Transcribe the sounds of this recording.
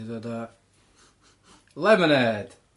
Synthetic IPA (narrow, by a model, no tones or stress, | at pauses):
t̪uot̪ɑ | lemənæːt̪